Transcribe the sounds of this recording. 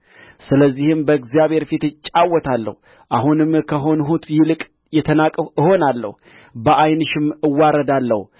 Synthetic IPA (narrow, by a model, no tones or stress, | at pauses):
sɨləzːihɨmbəɨɡzjaβhe̞ɾfit̪ɨt͡ʃʼːawːɔt̪ʰalːə̰hu | ʔaɦunɨmkʰəɦo̞nɦut̪ʰjɪlɨkʼ | jɛt̪ʰənakʼəɨho̞nalːə̰hu | bəʔajnɨʃɪmɨwːaɾəd̪alːə̰hu